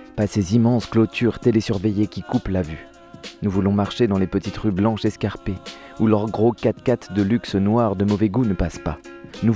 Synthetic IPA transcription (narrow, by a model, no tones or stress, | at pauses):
pasezimɑ̃sklɔt̪ʰyʁt̪elesyʁvejekʲikuplavy | nuvulɔ̃maʁʃed̪ɑ̃lepət̪it̪ʁyblɑ̃ʃɛskaʁpeulœʁɡʁokat̪kat̪d̪əlyksnwaʁd̪əmɔvɛɡunəpaspanu